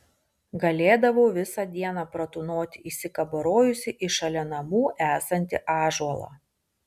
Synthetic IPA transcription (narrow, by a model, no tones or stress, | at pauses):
ɡɐlʲeːd̪ɐʋoːʋʲɪsɑd̪ʲiɛnɑːpɾɐt̪ʊnoːt̪ʲɪʔɪsʲɪkɐbɐɾoːjʊsʲɪʔɪʃɐlʲɛnɐmuːʔæːsɐnʲt̪ʲɪ̰ʔɑːʒɔlˠɑ̰ː